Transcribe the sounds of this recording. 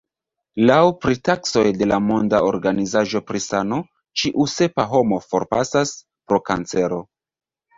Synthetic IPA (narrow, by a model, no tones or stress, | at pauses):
lawpɾitakso̞jde̞lamo̞ndao̞ɾɡanizaʒo̞pɾisano̞ | t͡ʃiʔuse̞paɦo̞mo̞fo̞̰ɾpa̰sas | pɾo̞ka̰nt͡se̞ɾo̞